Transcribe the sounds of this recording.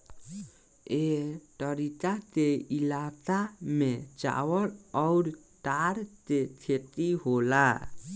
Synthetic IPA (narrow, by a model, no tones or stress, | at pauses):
eʈʌɾit̪at̪eilatamet͡ʃa̰wʌɾɔwɾ | ʈaɾt̪etʰet̪iɦola